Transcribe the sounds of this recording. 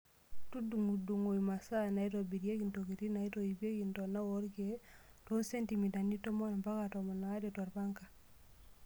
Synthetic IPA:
tu˦du˨ŋu˨du˨ŋo˨i˨ma˨sa˦˨na˨i˦ɾo˨bi˨ɾje˦ki˨nto˨ki˨ɾi˦na˨i˦to˨i˨be˦ki˨nto˨na˦wo˦ɾɡe˦to˦nse˦nti˨mi˨da˨ni˦to˦mɔ˦ɾa˨mba˦ka˨ta˨ma˨na˨a˦de˨ta˨ɾba˦ŋka˨

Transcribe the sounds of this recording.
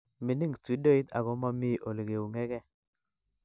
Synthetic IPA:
mi˨ni˦˨ŋti˨˦do˦i˦t̪a̰˨ɡɔ˦ma˦mɪ˦ʔo˨lɡe˨u˨ŋɛ˦kɛ˦

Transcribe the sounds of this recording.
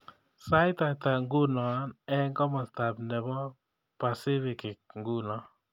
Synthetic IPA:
sa˦jɪ˦t̪a˨ta˨ŋɡu˦nɔ˨a˦nɛ˦ŋɡɔ˦mɔ˨sta˨bnɛ˨bɔ˦ | pa˨sɪ˦fɪ˨kɪ˨k̚ŋɡu˦nɔ˨

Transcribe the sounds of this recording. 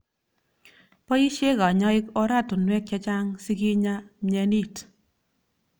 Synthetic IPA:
pɔ˦i˦ʃe˦ka˨ɲɔ˦ɪ˦kɔ˦ɾa˦˨tʊ˨nwɛ˦k̚t͡ʃa˦t͡ʃa˦ŋsi˦ki˦ɲa˦mɛ˧ni˦˨t

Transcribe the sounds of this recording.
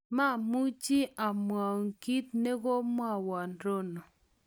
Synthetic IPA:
ma˦˨mu˦t͡ʃi˦ʔa˨mwa˨o˨ŋki˦t̪̚ne˦ɡo˦mwa˦˨wa˨nɾo˦no˨

